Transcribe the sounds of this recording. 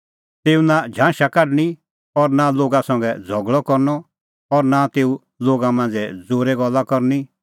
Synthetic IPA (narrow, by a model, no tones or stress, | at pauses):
t̪eːunad͡ʒʱãːʃakaɖɽ̃i | ɔɾnaloːɡasɐ̃ŋɡɛd͡zʱɔɡɭɔkɔɾnɔ | ɔɾnat̪eːu | loːɡamãːnd͡zɛd͡zoːɾɛɡɔlːakɔɾni